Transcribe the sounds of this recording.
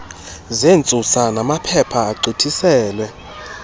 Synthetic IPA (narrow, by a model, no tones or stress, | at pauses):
zent͡sʼusanamapʰɛpʰaːǀʱitʰisɛːlwɛ